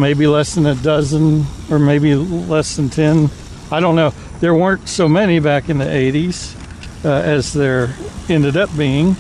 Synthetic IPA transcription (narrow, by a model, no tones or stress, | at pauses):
meɪbilɛsðɨ̃nɨdʌzə̃n | ə˞meɪbilɛsðɨ̃n̩tʰɛ̃n | aɪɾõʊ̃nːoʊ | ðə˞wɜ̃˞ntsoʊmɛnibækɨ̃nðiʔeɪɾiz̥ | ɨzðə˞ɛ̃ndɨɾʌp̚b̥iɪ̃ŋ